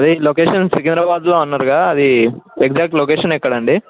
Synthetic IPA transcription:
ɐd̪iloːkeːʂɐnsikind̪ɾɐbaːd̪lo̞ːunːɐɾuɡaːɐd̪iekd͡ʒaːk̚ʈloːkeːʃɐnɛkːɐɽɐɳɖi

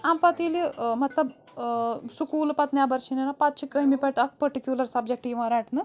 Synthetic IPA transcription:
ampɐt̪ilimɐt̪lɐb | sukuːlpɐt̪nʲjabɐɾʃinenapat̪̚t͡ʃʰikəɦimipɐt̪ɐk̚pɐɾʈikjulɐɾsɐb̚d͡ʒek̚ʈiːʋãɾaːʈnɨ

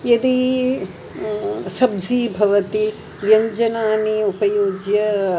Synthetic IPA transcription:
jed̪i | sɐbzibʱɐʋɐt̪i | ʋjɐɲd͡ʒɐnaːniupɐjoːɡjɐ

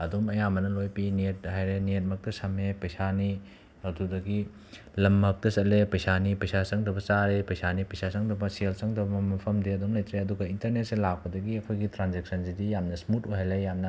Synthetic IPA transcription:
ɐdomɐjamɐnɐlojpiniet̚ɦajɾeniet̚mɐk̚tɐsɐmepɐjsani | ɐdudɐɡi | lɐmːɐk̚tɐsɐlepɐjsanipɐjsasɐŋdɐbɐt͡ʃaɾepɐjsanipɐjsasɐŋdɐbɐsielsɐŋdɐbɐmɐmɐpʰɐmdeɐdumlɐjtɾeɐduɡɐintɐɾnet̚selak̚pɐdɐɡiɐkʰojɡitɾanzek̚sɐnsidijamnɐsmutuɦajlejamnɐ

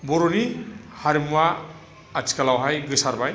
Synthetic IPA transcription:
bɔɾonihaɾimuwaː | t͡ʃʰi̥kalawɦajɡɯsaɾbaj

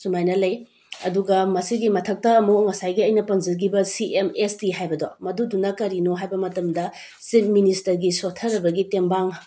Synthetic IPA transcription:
sumajnɐlɐj | ɐduɡɐmɐsiɡimɐtʰɐk̚tɐɐmuŋɐsajɡiɐjnɐpɐŋzɐɾɡibɐsiʔemestiɦajbɐdomɐdudunɐkɐɾinoɦajbɐmɐtɐmdɐ | sip̚ʰministɐɾɡisotʰɐɾɐbɐɡitembaŋ

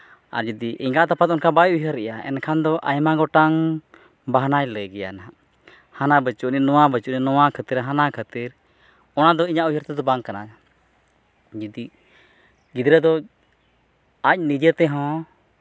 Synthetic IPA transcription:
a̰ɾd͡ʒəd̪iʔiŋɡaʔt̪apat̪ɔnkabajujɦəɾɛjaɛ̰nkʰand̪ɔʔa̰jmaɡɔʈaŋ | baɦnajləjɡɛja̰na | hanabət͡ʃuʔninɔwabət͡ʃuʔninɔwakʰət̪iɾɦanakʰət̪iɾ | ɔnad̪ɔiɲaʔujɦəɾt̪ɛd̪ɔbaŋkana | d͡ʒəd̪i | ɡid̪ɾɛd̪ɔ | ac̚nid͡ʒət̪ɛɦɔ̃

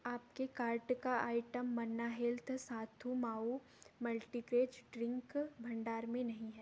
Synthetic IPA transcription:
aːpkekaːɾʈkaaːɪʈəmːɐnːaɦelt̪ʰsaːt̪ʰũmaːu | mɐlʈikɾeːd͡ʒɖɾɪ̃ŋkbʱɐ̃ɳɖaːɾmẽnɐɦĩɦɛː

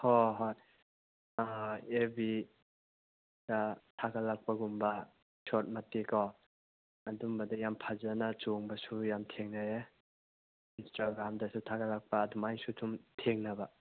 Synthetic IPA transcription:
hoɦoj | ebi | d̥atʰaɡalak̚pɐɡumbɐ | sɔt̚mɐtːiko | ɐdumbɐdɐjampʰazanat͡ʃoŋbɐsujamtʰeŋnae | instaɡɾamdɐsutʰaɡɐlak̚paːdumajsutʰumtʰeŋnɐbɐ

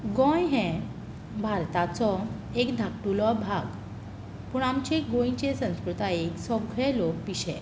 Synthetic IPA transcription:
ɡɔ̃jɦɛ̃ | bʱaɾt̪at͡sɔ | ekd̪ʱakʈulɔbʱaɡ | puːɳamt͡ɕeɡõjĩt͡ɕesə̃w̃skɾut̪aeksɔbɡʱɛlok̚piɕɛ̰̃

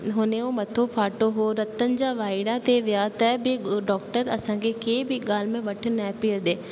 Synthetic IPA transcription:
ɦʊneːoːmət̪ʰːõːpʰaːʈoːɦoːɾət̪ːənd͡ʒaːʋaːɪɽaːt̪eːʋɪjaːt̪ɛːbeːɖɔːk̚ʈəɾəsãːɡeːkeːbiːɡaːlmẽːʋəʈʰnɛːpiːɾd̪eː

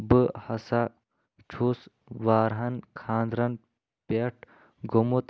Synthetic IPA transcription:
bɨhɐsa | t͡ʃʰus | ʋaːɾɦɐnkʰaːnd̪ɾɐn | peʈ | ɡomut̪

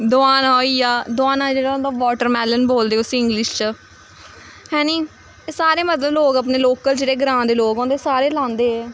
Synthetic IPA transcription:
d̪oaːnoːiːjaːd̪oaːnãːd͡ʒeːɽaːoːnd̪aːʋɔːʈəɾmɛːlənboːld̪eːʊsɪ̃ŋɡlɪʃt͡ʃə | ɦɛ̃ːniː | eːsaːɾeːmət̪ləbloːɡəp̬neːloːkəld͡ʒeːɽeːɡɾãːnd̪eːloːɡɔ̃ːnd̪eːsaːɾeːlãːnd̪eːɛː

